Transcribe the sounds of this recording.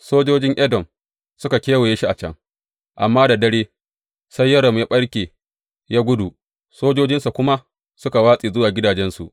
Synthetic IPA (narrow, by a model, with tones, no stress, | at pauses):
soː˦d͡ʒoː˦d͡ʒɪ˦ŋʔɛ˦dɔ˨m | sʊ˦ka˨kʲeː˦we˨jeː˦ʃi˦ʔa˨t͡ʃɐ̰˦ŋ | ʔa˨mːaː˦da˨dɐ˦ɽeː˦ | sa˦jːɐ˦ɽɔ˨mjaː˦ɓɐ˦ɽkʲeː˨ | jaː˦ɡʷʊ˦du˨ | soː˦d͡ʒoː˦d͡ʒɪ˦nsa˨kʷʊ˦ma˦ | sʊ˦ka˨waː˦sʼiː˨zʊ˦waː˨ɡʲɪ˦daː˨d͡ʒɛ˦nsṵ˨ʔ